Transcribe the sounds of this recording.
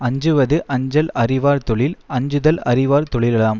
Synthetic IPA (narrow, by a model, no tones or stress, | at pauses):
ɐɲd͡ʒɯʋɐðɯʔɐɲd͡ʒɐlɐrɪʋaːɾt̪ɔɭɪlɐɲd͡ʒɯðɐlɐɾɪʋaːɾt̪ɔɭɪlɐlaːm